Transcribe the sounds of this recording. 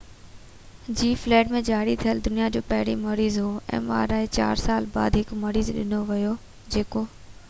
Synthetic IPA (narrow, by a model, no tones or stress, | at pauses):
d͡ʑiːflɛːʈmẽd͡ʑaːɽit̪ʰijəld̪ʊnijad͡ʑoːpɐɦɪɾimɐɾiːzɦoɛ̰̃ːʋa̰ːɾaːɦet͡ɕa̰ːɾsaːlba̰ːd̪ɦɪkmɐɾiːzɗɪ̰noʋɪjo | d͡ʑeːkoː